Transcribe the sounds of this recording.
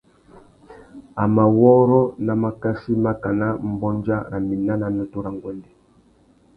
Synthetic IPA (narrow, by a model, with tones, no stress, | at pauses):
a˨ma˨wɔ˦ɾɔ˦na˨ma˨ka˦si˦ma˦ka˨na˦m̩˨˦bɔ˦nd͡ʒa˦ɾa˨mi˨na˦na˨nɔ˦tu˦ɾa˨ŋɡwɛ˨ndɛ˨